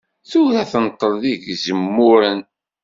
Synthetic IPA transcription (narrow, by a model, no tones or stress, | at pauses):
θuɾæθənt̪ˤːəɾðiʝzəmːʊɾən